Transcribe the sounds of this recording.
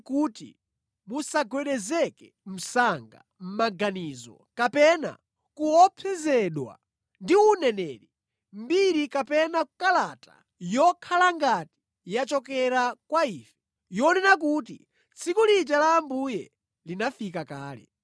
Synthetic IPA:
kuːtḭ | musaɡwɛɗɛzɛkɛ | m̩saŋɡa̰ | m̩maɡanizɔ̰kapɛna̰ | kuɔpʰɛzɛɗwa̰ | ndiunɛnɛːɾi | mbiɾikapɛnakalatḁ̰ | jɔkʰalaŋɡati̥ | jat͡ʃɔkɛɾakwaiːfɛ̥ | jɔnɛnak̬ut̬ḭ | t͡sʰikulid͡ʒalaːmbujɛ | linafikakaːlɛ̰

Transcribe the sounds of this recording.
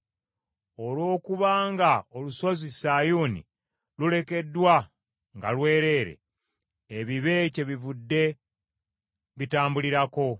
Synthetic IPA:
o̞lwo̞ːkuβaːŋɡaoluso̞zisajuːnḭ | lule̞ke̞dːwa | ŋɡa̰lwe̞ːɾe̞ːɾe̞̰ | eβiβe̞ce̞βivudːe̞ | βitaːmbuliɾako̞

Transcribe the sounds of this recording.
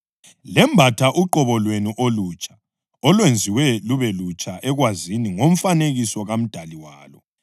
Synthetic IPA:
lɛmbʱatʰaʔuǃɔβɔlwenuʔolut͡ʃʰʼḁ | ɔlwend͡zʱiwɛluβɛlut͡ʃʼaʔɛɣwaziniŋom̩faneɣisɔɣam̩d̥ʱaliwaːlɔ̰

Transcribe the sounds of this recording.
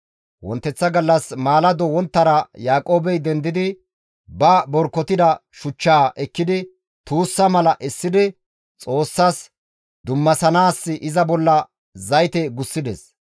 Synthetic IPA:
wɔ̰nt̪ːɛt͡sːɐɡɐlːɐsmaːlɐd̪ɔwɔnt̪ːɐɾɐjaːkʼo̞ːbɛjd̪ɛnd̪ɪd̪ɪ | bɐbɔɾkːɔt̪ɪd̪ɐʃʊt͡ʃːaːʔɛkːɪd̪ɪ | t̪uːsːɐmɐlɐʔɛsːɪd̪ɪ | t͡sʼo̞ːsːas | d̪ʊmːɐsɐnaːsːɪʔɪzɐbɔlːɐ | zɐjt̪ɛɡʊsːɪd̪ɛs

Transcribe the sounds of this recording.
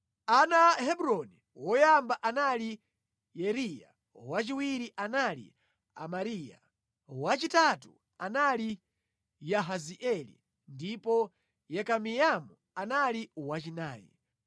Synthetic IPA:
anahɛbɾɔni | wɔjambaʔanali | jɛɾija̰ | wat͡ʃiwiɾiʔanalḭ | a̰maɾiːja̰ | wat͡ʃitatu | anali | jaɦaziʔɛlḭ | ndipɔ | jɛkamijamu | analiwat͡ʃinaːjɛ̰

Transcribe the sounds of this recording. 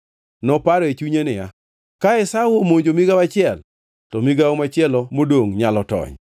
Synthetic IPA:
nɔpaɾɔet͡ʃuɲenɪja̰ | kaɛsawomoɲd͡ʒomiɡawat͡ʃɪɛl | tɔmiɡaomat͡ʃɪɛlɔmodoŋɲalɔtɔ̰ɲ

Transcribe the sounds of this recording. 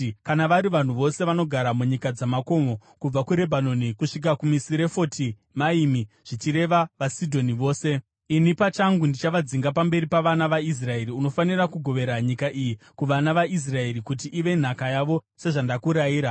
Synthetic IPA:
kanaʋaɾiʋan̤uʋo̞se̞ʋano̞ɡʱaɾamuɲikad͡zamako̞mo̞kub͡vakuɾe̞bʱano̞nikuʂik̬akumisiɾe̞fo̞ti | maimi | ʐ̥it͡ʃiɾe̞ʋaʋasidʱo̞niʋo̞ːse̞ | inipat͡ʃaŋɡundit͡ʃaʋad͡ziŋɡapambe̞ɾipaʋanaʋais̬rae̞ɾiuno̞fanirakuɡʱo̞ʋe̞ɾaɲikaʔiji | kuʋanaʋaʔis̬rae̞ɾikut̬iʔiʋe̞n̤akajaʋo̞se̞ʐandakuɾaiːɾa

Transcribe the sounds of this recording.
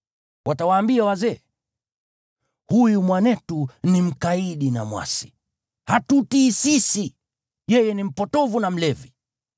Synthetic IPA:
wʔatawaːmbiawazɛ | hujumwanɛtunim̩kaiɗina̰mwa̰si̥ | hatutiːsisi | jɛjɛnim̩pɔtɔvunam̩lɛvi

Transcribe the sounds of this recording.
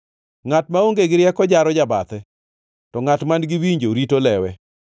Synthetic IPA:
ŋatmaoŋɡeɡɪɾjɛkɔd͡ʒaɾɔd͡ʒaba̰t̪ɛ | tɔŋatmanɡɪwiɲd͡ʒoɾitolɛwɛ

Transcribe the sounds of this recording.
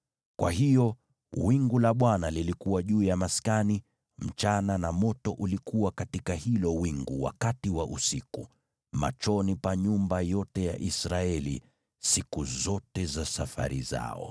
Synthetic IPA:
kwʔaɦijɔ | wiŋɡulaɓwanalilikuwaʄuːjamaskani | m̩t͡ʃananamɔtɔʔulikuwakatikahilɔwiŋɡuwa̰katiwaʔusiku | ma̰t͡ʃɔnipaɲumbajɔtɛja̰ʔisɾaɛlḭ | sikuzɔtɛzasafa̰ɾḭza̰ɔ̰

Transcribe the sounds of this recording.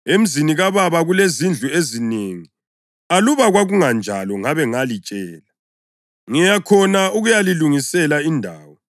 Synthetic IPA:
em̩ziniɣaβaβaɣulezind͡ɮʱuezineːŋi | aluβaɣwaɣuŋand͡ʒʱa̰lɔŋaβɛŋalit͡ʃʼɛːla | ŋɛjakʰɔnauɣujaliluŋisɛlaindʱaːwɔ

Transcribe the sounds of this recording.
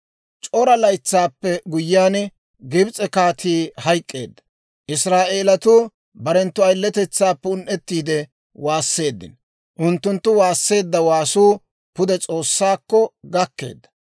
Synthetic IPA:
t͡ʃʼɔɾɐlɐjt͡sːaːpːɛɡʊjːaːn | ɡɪbt͡sʼɛkaːt̪ʰiːhɐjkʼːe̞ːd̪ːɐ̥ | ʔɪsɾaːʔe̞ːlɐt̪uː | bɐɾɛnt̪ːʊɐjlːɛt̪ɛt͡sːaːpːɛʊnʔɛt̪ːiːd̪ɛ | waːsːe̞ːd̪ːɪ̰n | ʔʊnt̪ːʊnt̪ːʊwaːsːe̞ːd̪ːɐwaːsuː | pʊd̪ɛt͡sʼo̞ːsːaːkːɔɡɐkːe̞̰ːd̪ːɐ̥

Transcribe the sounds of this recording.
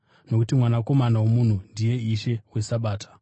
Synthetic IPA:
no̞kutimwanako̞manawo̞mun̤undije̞iʃe̞we̞saɓaːtʰḁ

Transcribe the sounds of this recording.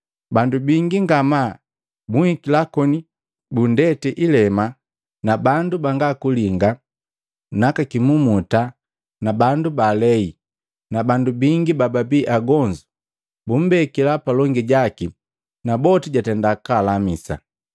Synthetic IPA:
bandubiŋɡiŋɡama | buhikilakɔni | bundɛtɛʔilɛma | nabandubaŋɡakuliŋɡa | nakakimumuta | nabandubalɛi | nabandubiŋɡibababiːʔaɡɔɲd͡ʒu | bum̩bɛkilapalɔŋɡiɟaki | nabɔtiɟatɛndakalamisa̰

